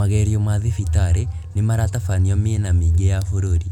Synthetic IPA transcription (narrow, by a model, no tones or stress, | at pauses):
aɣɛɾiɔmaðifitaɾe | nemaɾatafaniɔmienamiɡejafoɾoɾi